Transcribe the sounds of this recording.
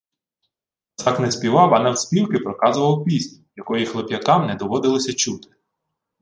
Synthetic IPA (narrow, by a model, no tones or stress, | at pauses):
t̪ɑknɛspʲiʋɑwɐnɛwsʲpʲiwkɪpɾɔkɑzʊʋɐwkmʲisʲt̪ʲjɐkɔjixlˠepʲjɐkɑmnɛd̪ɔʋɔd̪ɪlˠɔsʲɐt͡ʃut̪ɪ̥